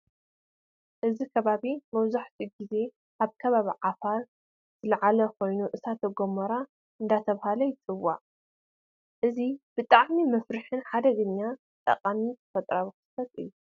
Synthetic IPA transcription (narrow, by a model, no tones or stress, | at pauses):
ʔɨzikʰɐβaβimɐβzaħt̪ʰiɡize̞ | ʔaβkʰɐβaβiʕafaɾ | z̥ɨlʕalɐkʰo̞jnuʔɨsat̪ʰɐɡomɐɾa | ɨnd̪at̪ʰɐβhalɐjɪt͡s̪ʼɨwaʔ | ʔɨzib̥ɨt̪ʼaʕmimɐfɾɨħɨnħad̪ɐɡɨɲːa | t̪ʼɐ̰qʼamitʰfɐt̪ʼɾaβiksɐt̪ʼɨ̰jːu